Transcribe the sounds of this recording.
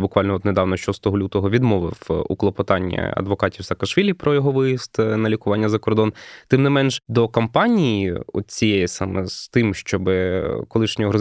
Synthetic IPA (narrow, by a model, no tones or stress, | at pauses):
bʊkʋɑlʲnɔɔt̪nɛd̪ɑʋnɔʃɔst̪ɔɦɔlʲut̪ɔɦɔʋʲid̪mɔʋɪ̰wṵklˠɔpɔt̪ɑnʲːɐ̰ɐ̰d̪ʋɔkɑtʲiwsɐːkɐʃʋʲilʲipɾɔjɔɦɔʋɪjist̪nɐlʲikʊʋɑnʲːɐzɐkɔrd̪ɔnt̪ɪmnɪmɛnʒd̪ɔkɐmpɑnʲijiɔ̰t̪̚t͡sʲijejɐsɑmɛz̥t̪ɪmʃt͡ʃɔbɪkɔlˠɪʃnʲɔɔɦɾɔ